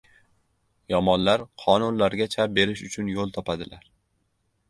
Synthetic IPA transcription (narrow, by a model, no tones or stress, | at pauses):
jɒmɒnlaɾqʰɒnʊnlaɾɡʲat͡ʃʰap̚be̞ɾɪʃʊt͡ʃʰʊnjolˠt̪ʰɒpʰad̪ɪlaɾ